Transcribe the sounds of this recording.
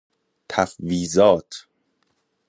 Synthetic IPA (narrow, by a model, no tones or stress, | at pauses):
t̪ʰæfviːzɒːt̪ʰ